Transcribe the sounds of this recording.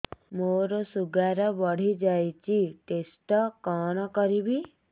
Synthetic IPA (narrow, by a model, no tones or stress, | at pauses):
moɾosuɡaɾɔʋɔɽ̤id͡ʒajt͡ʃiʈesʈɔkaːnɔkɔɾibi